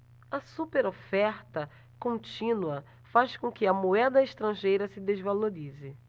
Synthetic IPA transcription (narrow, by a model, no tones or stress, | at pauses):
ɐsupeɾofɛɾt̪ɐ | kõt͡ʃĩnuɐ | faʃkõkɪɐmoɛd̪ɐeʃt̪ɾɐ̃ʒejɾɐsɪd̪ezvaloɾizɪ